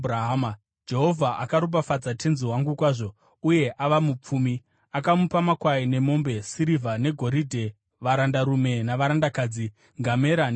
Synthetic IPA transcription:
ɾaɦma | d͡ʒe̞ɦo̞vʱaʔakaɾup̬afad͡zatʰe̞nziwaŋɡukwaːʐo̞ | uje̞ʔaʋamup͡fuːmi | akamupamakwaine̞mo̞mbe̞siɾivʱane̞ɡʱo̞ɾidʱe̞ | ʋaɾandaɾume̞naʋaɾandakaːd͡zi | ŋɡame̞ɾa

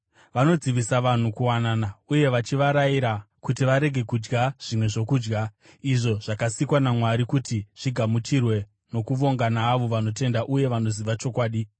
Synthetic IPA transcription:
ʋano̞d͡ziʋisaʋan̤ukuwanaːnauje̞ʋat͡ʃiʋaɾaiɾa | kut̬iʋaɾe̞ɡʱe̞kud͡ʒɡaʐ̥imwe̞ʐo̞kuːd͡ʒɡa | iʐo̞ʐ̥akasikwanamwaɾikutiʐ̥iɡʱamut͡ʃirwe̞ | no̞kuʋo̞ŋɡanaːʋo̞ʋano̞t̬e̞ndaʔuje̞ʋano̞ziʋat͡ʃo̞kwaːɗi

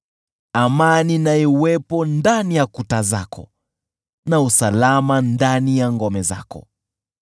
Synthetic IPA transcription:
amaninaiwɛpɔndanijakutaza̰kɔ̰ | nausalamandanijaŋɡɔmɛza̰kɔ̰

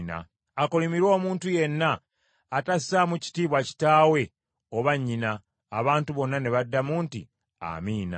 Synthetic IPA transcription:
na̰ | akolimiɾo̞ːmuːntuje̞nːaː | tasamuci̥tiːβwaci̥taːwe̞ | oβaɲːinaː | βaːntuβo̞nːane̞βadːamuːntḭ | a̰miːna̰

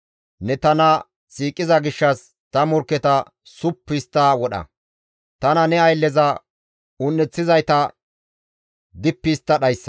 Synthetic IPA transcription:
nɛt̪ɐnɐ | siːkʼːɪzɐɡɪʃːɐs | t̪ɐmʊɾkːɛt̪ɐ | sʊpːist̪ːɐwɔɗɐ̰ | t̪ɐnɐnɛɐjlːɛzɐ | ʊnːɛt͡sːɪzɐjt̪ɐ | d̪ɪpːiːst̪ːɐɗɐjsːɐ̥

